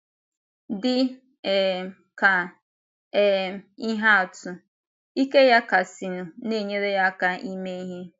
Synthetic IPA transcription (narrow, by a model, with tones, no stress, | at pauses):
dɪ˦˨ | ka˨ | i˦ɦa˦˨tʊ˨ | i˦ke˦ja˦ka˨si˨nu˨ne˦˨ɲe˦ɾe˦ja˦ka˨ʔi˦me˦i˦ɦe˦